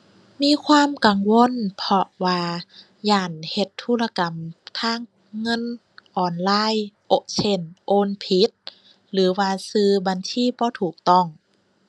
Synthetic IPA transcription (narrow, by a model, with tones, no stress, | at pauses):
miː˧˥˨kʰwaː˧˥˨mka˨ŋwo˧˥˨npʰɔ˧waː˧ | jaː˧˩nhe˧˦t̪ʰːuː˧˥˨la˧ka˨mt̪ʰaː˧˥˨ŋː | ɤ˧˥˨n | ʔɔː˨˩nlaː˧˥˨jʔo˧˦sʰe˧˥˩nʔoː˧˥˨npʰi˨˦t̪̚ | lɯː˨˦waː˧sɯː˧ba˧˨nsiː˧˥˨bɔː˧˦t̪ʰuː˨˩k̚t̪ɔ˧˩˨ŋ